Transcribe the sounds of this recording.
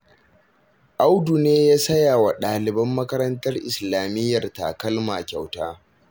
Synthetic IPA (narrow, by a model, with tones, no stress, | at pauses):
ʔa˦wdu˨neː˦jaː˦sɐ˦jaː˨wa˨ɗaː˨lɪ˨bɐ˦mːɐ˦kɐ˦ɾɐ˦ntɐ˦rʔɪ˨slaː˨mɪ˦jːɐ˨rta̰˨kɐ˦lmaː˨kʲa˨wtaː˦